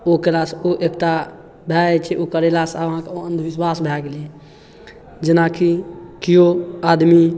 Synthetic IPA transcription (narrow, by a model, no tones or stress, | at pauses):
okelasoʔekʈa | bʱɛt͡ʃʰɛʔokəɾelasəʋɦãkeə̃nd̪ʱʋiswasbʱɛɡeliɛ | d͡ʒenakʰikijoad̪mi